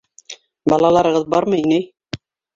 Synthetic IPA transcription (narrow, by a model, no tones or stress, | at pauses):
bɑlˠɑlˠɑɾɤ̆ʁɤðbɑɾmɤinæj